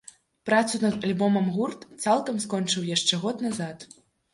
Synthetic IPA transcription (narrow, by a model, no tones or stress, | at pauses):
pɾat̪sunɐd̪ɐlʲbɔmɐmɣurt̪t̪salˠkɐmskɔnt͡ʂɨwjaʂt͡ʂɛɣɔt̪nazat̪